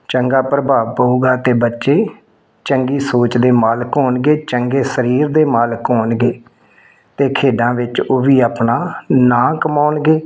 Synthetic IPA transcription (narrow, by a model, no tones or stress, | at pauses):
t͡ʃəŋɡaːpɾəbʱaːʋpəuːɡaːt̪eːbətːʃeː | t͡ʃəŋɡiːsoːt͡ʃd̪eːmaːlkɦoːnɡeːt͡ʃəŋɡeːsəɾiːɾd̪eːmaːlkɦoːnɡeː | t̪eːkʰeːɖãːʋɪt͡ʃoːʋiːaːpnaːnãːkəmaːʊɳɡeː